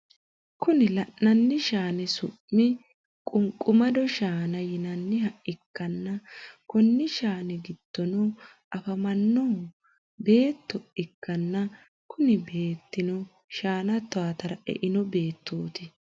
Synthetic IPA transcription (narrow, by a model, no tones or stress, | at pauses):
kʊnɪlɐʔːɐnːɪʃaːnɛsʊmːɪ | kʼʊŋkʼʊmɐd̪ɔʃaːnɐjɪnɐnːɪhɐʔɪkːɐnːɐkɔnːɪʃaːnɛɡɪd̪̥ːɔnɔ | ʔɐfɐmɐnːɔ | be̞ːt̪ːɔʔɪkːɐnːɐ | kʰʊnɪbe̞ːt̪ːɪnɔ | ʃaːnɐt̪ːɔaːt̪ɐɾɐʔɛ̰ʔɪnɔbe̞ːt̪ːoːt̪ɪ